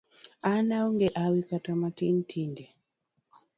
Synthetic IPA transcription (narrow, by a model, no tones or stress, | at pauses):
anauŋɡɛʔawikatamatin̩tʰindɛ